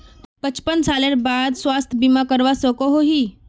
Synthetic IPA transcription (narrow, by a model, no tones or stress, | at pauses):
pət͡ʃpənsaːleɾbaːd̪swaːst̪ʰbimakəɾʋasɔkoɦoɦi